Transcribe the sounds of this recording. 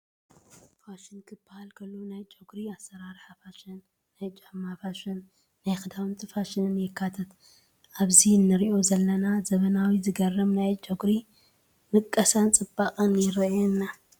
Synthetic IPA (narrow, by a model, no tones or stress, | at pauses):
faʃɪnkʰɨbːahalkʰɐlːunajt͡ʃʼoɡɾiasːɐɾaɾħafaʃɪnː | ajt͡ʃʼɨħmafaʃɪnː | ajxɨd̪ʰawɨnt̪ʰifaʃɪnɨnjɪkʰːat̪ʰɐt̪ | ʔaβzinːɨɾiʔo̞zɐlːɐnazɐβɐnawizɨɡɐrɐmnajt͡ʃʼoɡɾi | mɨkʼːɐsant͡sʼɨbakʼɐnjɪɾɐjɛnːa